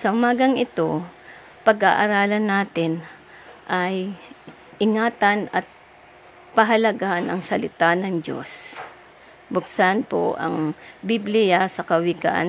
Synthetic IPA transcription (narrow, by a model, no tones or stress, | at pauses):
sɐhʊmaːɡɐŋʔɪt̪o̞ | pɐɡaʔɐɾaːlɐnːaːt̪ɪn | ʔaj | ʔɪŋaːt̪ɐnɐt̪̚ | pɐɦɐlɐɡanɐŋsɐlɪt̪anɐŋd͡ʒo̞̰s | bʊksanpo̰ʔɐ̰ŋbiblɪjasɐkɐwɪɡa̰n